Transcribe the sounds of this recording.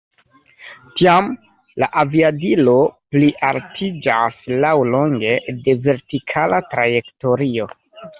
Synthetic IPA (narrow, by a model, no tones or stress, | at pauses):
tiam | la̰ʔaviadilo̞pliʔaltʰid͡ʒaslawlo̞ŋɡe̞de̞ve̞ɾtikʰalatɾaje̞kto̞ɾio̞